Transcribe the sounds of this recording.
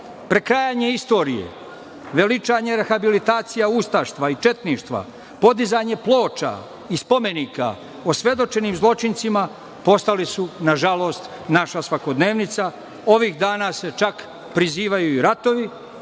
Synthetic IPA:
pɾe̞kɾajaɲe̞ist̪o̞ːɾijḛ | ʋe̞lit͡ʃaːɲeɾexabilit̪aːt̪sijaust̪aʃt̪ʋait͡ʃe̞t̪niːʃt̪ʋa̰ | po̞d̪izaɲe̞plˠo̞ːt͡ʃa̰ | ispo̞me̞nika̰ | osʋje̞d̪o̞t͡ʃe̞niːmzlˠo̞t͡ʃint̪sima | po̞st̪alisunaʒalˠo̞ːst̪naʃasʋako̞d̪ne̞ːʋnit̪sa | o̞ʋiːxd̪aːnase̞t͡ʃak | pɾiziːʋajuiɾat̪o̞ʋi

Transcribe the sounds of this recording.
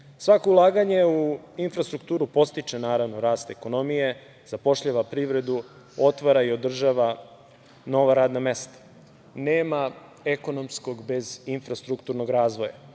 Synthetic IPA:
sʋakoulˠaːɡaɲeu | infɾast̪ɾukt̪uːɾupo̞st̪it͡ʃenaːɾaʋnoɾaːst̪eko̞no̞mije̞ | zapo̞ʃʎaʋapɾiʋɾe̞d̪u | o̞t̪ʋaɾaio̞d̪r̩ʒaʋa | no̞ʋaɾaːd̪namest̪ḁ | neːma | eko̞no̞mskoɡbe̞zinfɾast̪ɾukt̪uɾnoɡɾaːzʋoja̰

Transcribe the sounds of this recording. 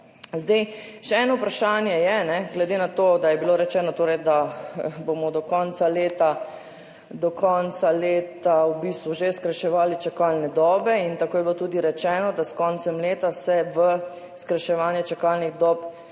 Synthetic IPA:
zd̪ejʃɛɛːnɔupɾaʃaːnjɛjɛnɛɡlɛd̪enat̪oːd̪ajɛbiloɾɛt͡ʃɛːnɔt̪oːɾɛjd̪abomɔd̪ɔkɔːnt̪saleːt̪a | d̪ɔkɔnt̪saleːt̪awbiːst̪ʋuʒeskɾaʃɛʋaːlit͡ʃakaːlnɛd̪ɔːbɛint̪akoːjɛbilot̪uːd̪iɾɛt͡ʃɛːnɔd̪askɔːnt̪sɛmleːt̪asɛʋə | skɾaʃɛʋaːnjɛt͡ʃakalniɣd̪ɔːp

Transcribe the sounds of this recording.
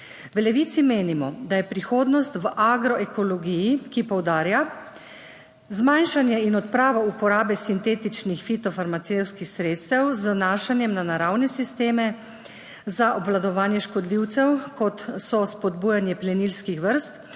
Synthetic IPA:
ʋlɛʋiːt̪simeːnimɔd̪ajɛpɾixoːd̪nɔst̪ʋəʔaɡɾɔʔɛkɔlɔɡijikipɔwd̪aːɾja | zmajnʃanjɛinɔt̪pɾaːʋaupɔɾaːbɛsint̪eːt̪it͡ʃnixfit̪ɔfaɾmat̪sewskixsɾeːt̪st̪ɛwznaːʃanjɛmnanaɾawnɛsist̪eːmɛ | zaʔɔbʋlad̪ɔʋaːnjɛʃkɔd̪liwt̪sɛwkɔt̪sɔspɔd̪buːjanjɛplɛnilskixʋəɾst̪

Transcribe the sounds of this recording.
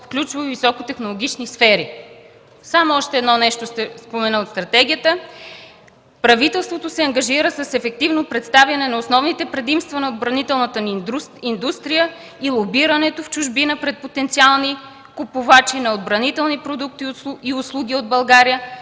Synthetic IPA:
fklʲut͡ʃvəvisɔkot̪ɛxnolˠoɡʲit͡ʃnisfɛɾi | samoɔʃt̪ɛɛd̪nɔnɛʃt̪ost̪ɛspomɛnəot̪st̪ɾɐt̪ɛɡʲiət̪ə | pɾɐvit̪ɛlˠst̪vot̪osɛɐŋɡɐʒiɾəsɐsɛfɛk̚t̪ivnopɾɛt̪st̪avjɐnɛnɐosnɔvnit̪ɛpɾɛd̪imst̪vənɐod̪bɾɐnit̪ɛlˠnət̪əind̪ust̪ɾijə | ilˠobiɾɐnɛt̪oft͡ʃʊʒbinəpɾɛt̪̚pot̪ɛnt̪sialˠni | kupʊvat͡ʃinɐod̪bɾɐnit̪ɛlˠnipɾod̪uk̚t̪iiʊslˠuɡ̟ʲiod̪̚bɐlˠɡaɾijə

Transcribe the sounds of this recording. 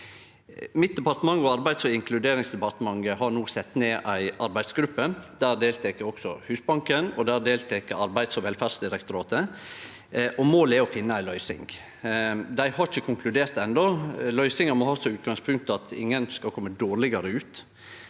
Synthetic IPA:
mɪt̪̚d̪ɛpɑɾt̪əmɑŋːɔɑɾbæɪd̪sɔɪŋkʰlʉd̪eːɾɪŋsd̪ɛpɑɾt̪əmɑŋːəhɑɾɳuːsɛt̪ːneːʔæɪʔɑɾbæɪd̪sɡɾʉpːəd̪̥æːɾd̪eːlt̪ʰɛkəɔksɔ̰hʉːsbɑŋkənɔd̪æːɾd̪eːlt̪ʰɛkəɑɾbæɪd̪sɔʋɛlfæ̥ːsd̪ɪɾɛkt̪ʊɾɑːt̪ə | ʔɔmoːlɛɔfɪnːəæɪlœʏsɪ̰ŋ | d̪æɪhɑɾɪçəkʰʊŋkʰlʉd̪eːɾt̪ɛnd̪ɔlœʏsɪŋəmɔhɑːsɔʉːt̪ɡɑŋspʰʉŋk̚t̪ɑt̪ʰɪ̰ŋːənskɑlkʰɔmːəd̪oːɾlɪɡɑɾəʉːt̪

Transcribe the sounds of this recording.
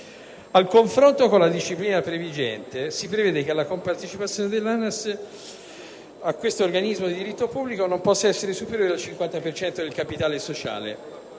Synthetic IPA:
alkoɱfɾont̪okonlad̪iʃːipliːnapɾevid͡ʒɛ̰nt̪esipɾevɛːd̪ekealːakompart̪et͡ʃipat̪sjoːned̪elːanas | akːwest̪oːrɡanizmod̪id̪iɾit̪ːopubːlikonompɔsːaɛsːeɾesupeɾjoːɾealt͡ʃiŋkwant̪apert͡ʃɛnt̪od̪elkapit̪aːlesot͡ʃa̰ːlḛ

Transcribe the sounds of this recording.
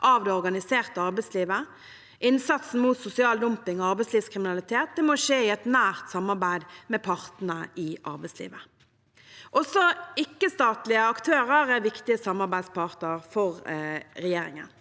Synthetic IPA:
ʔɑʋd̪ɛɔɾɡɑnɪseːʁt̪əɑʁbæɪsliːʋə | ʔɪnsɑt̪sn̩muːt̪sʊsɪɑːld̪ʊmpɪŋɔɑʁbæɪsliːʋskʰɾɪmɪnɑlɪt̪ʰeːt̪̚d̪ɛmoʂeːɪɛt̪næːʁt̪sɑmːɑʁbæɪd̪mɛpʰɑʁt̪n̩əʔɪʔɑ̰ɾbæɪslḭːʋə | ʔɔsɔɪkːəst̪ɑːt̪lɪəɑkt̪ʰøːʁəɾæʋɪkt̪ɪəsɑmːɑʁɾbæɪd̪spʰɑʁt̪əʁfɔʁɾɛjeːɾɪ̰ŋə̰n

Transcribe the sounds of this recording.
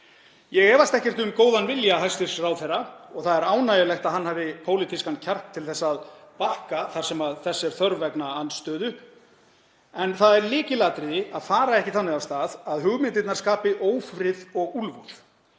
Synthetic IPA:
jɛɣɛːvast̪ɛhcɛr̥t̪ʏmkoːwðanvɪljaɦast̪ɪɾ̥srawθɛraɔɣθaðɛɾaːwnajɪlɛxt̪aðhanɦhaːvɪpʰoːwlit̪ʰiskancʰar̥kt̪ʰːɪlθɛsːaðpahkaθaɾsɛmaðθɛsːɛɾ̥θœɾvɛknaanːst̪œːðʏ | ɛnθaðɛɾlɪːcɪlaːt̪ɾɪaðfaːɾaɛhcɪθanːɪawst̪aːðaðɦʏɣmɪnt̪ɪt̪naɾskaːpɪʔoːwfɾɪðɔɣulvuð̥

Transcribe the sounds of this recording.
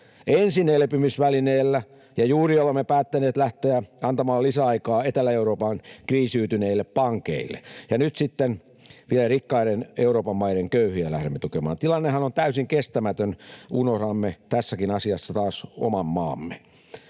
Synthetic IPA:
ensinelepymysʋælineːlːæ | jɑjuːriolemːepæːt̪ːæneːt̪læht̪eæɑnt̪ɑmɑːlisæɑikɑːet̪ælːæeuɾoːpɑnkriːsyːt̪yneilːeppɑŋkḛilːḛjɑnyt̪sit̪ːen | ʋielærikːɑiɾeneuroːpɑmːɑiɾeŋkøyhyælæhɾemːet̪ukemɑ̰ːnt̪ilɑnːehɑnont̪æysiŋkest̪æmæt̪ønunorɑmːet̪æsːækinɑsiɑsːɑt̪ɑːso̰mɑmːɑ̰ːmːe

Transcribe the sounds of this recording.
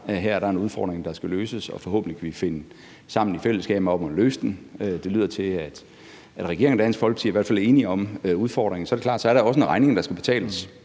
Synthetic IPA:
ɦæɐ̰ɐɾ̥ɑ̈enuð̞ˠfɒ̰ːd̥ʁeŋ̩d̥ɑ̈sɡ̥æløːsəsɒ̽fɒ̽ɦo̰ːb̥n̩likʰæʋife̝nə | sɑ̈m̰n̩ifel̰əsɡ̥ɛ̰ːb̥m̩ɒ̽b̥monløːsd̥n̩ød̥e̝lyːð̞̰ˠɐt͡sʰe̝æd̥ | æd̥ʁɛɡ̥e̝ɐŋndænsfɒ̽l̰ɡ̥siɐiʋæɐ̰dfæle̝ːniɒ̽muð̞ˠfɒ̰ːd̥ʁeŋn̩sɒæɐɾe̝kʰlɑ̈ːd̥sɒ̽æɐɾɑɒ̽səenʁɑ̈ɪne̝ŋd̥ɑ̈sɡ̥æb̥e̝̥t͡sʰɛ̰ːləs

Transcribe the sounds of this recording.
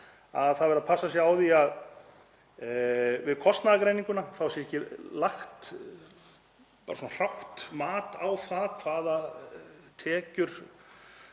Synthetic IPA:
a̰ðθaðvɛɾapʰasːasjɛaːwðiað | vɪðkʰɔst̪naðakɾejniŋkʏnaθawsjɛɛhcɪlaxt̪ | paːɾasɔnar̥aht̪maːt̪awθaðkʰvaːða | t̪ʰɛːcʏɾ̥

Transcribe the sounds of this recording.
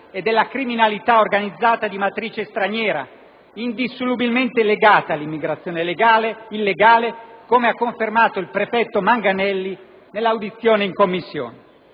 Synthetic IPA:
ed̪ːelːakɾiminalit̪aorɡanid̪zːaːt̪ad̪imat̪ɾiːt͡ʃest̪ɾaɲjɛːɾa̰ | ind̪isːolubilment̪eleɡaːt̪aːlːimːiɡɾat̪sːjoːnelɡaːleilːeɡaːlekomeakːoɱfermaːt̪oilpɾefɛt̪ːomaŋɡanɛlːi | nelːawd̪it̪sːjoːneiŋkomːisːjo̰ːne

